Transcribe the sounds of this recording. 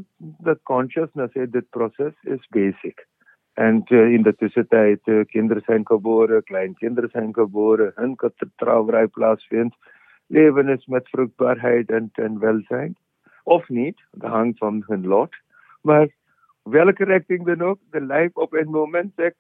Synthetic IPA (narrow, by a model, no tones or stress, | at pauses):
d̪əkɔ̃ːnʃəsnəsed̪ɪt̪̚pɾɔːsɛsɪ̰zbeːsɪk | ɛ̃ɳɖɪ̃nd̪ət̪ɪsɪt̪aɪt̪kɪ̃nd̪ɾsãɪ̃nɖkəboːɾklãɪnkɪ̃nd̪ɾəsãɪ̃nkəboːɾɦə̃nkət̪ɾt̪ɾa̰ːʋɾaːjplaːsfɪns | leːʋənɪsmɛt̪ʰfɾukt̚baːɾɦaɪʈɛ̃ɳɛ̃ɳɖʋɛlsãɪɳɖ | ɔfniːʈ | d̪əɦãŋsɔ̃mɦə̃nlɔːʈ | ba | ʋɛlkəɾɛk̚ʈɪ̃ŋd̪ənok̚d̪əlaɪfɔfenmõːmɛ̃ɳʈsek̚